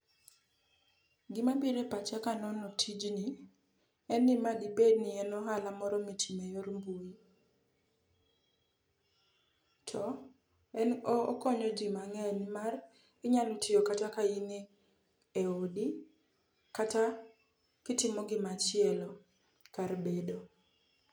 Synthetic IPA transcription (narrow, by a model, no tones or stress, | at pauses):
ɡɪmabiɾepat͡ʃakanɔnɔtʰid͡ʒni | ɛnːɪmadibednɪɛnɔɦalamɔɾɔmitʰimejoɾmboi | tʰɔ | ɛnɔkɔɲɔd͡ʒɪmaŋɛnmar | ɡɪɲalʊtɪjokatakainɪ | eodi | kata | kɪtɪmɔɡɪmat͡ʃɪɛlɔ | kaɾbedo